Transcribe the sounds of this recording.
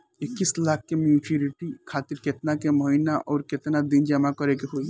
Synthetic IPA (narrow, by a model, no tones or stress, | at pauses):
ɪkːislak̚ʰːemjuːt͡ʃuɾiʈikʰaːt̪iɾket̪nakemɔɦinaʔɔːɾket̪nad̪ind͡ʒəmakɔɾekeɦoi